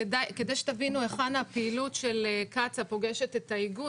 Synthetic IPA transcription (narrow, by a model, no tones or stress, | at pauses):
edajked̪ajʃe̥t̪avinue̞χanhapeilutʃe̞lekat͡sapo̞ɡeʃe̞t̪e̞t̪aiɡu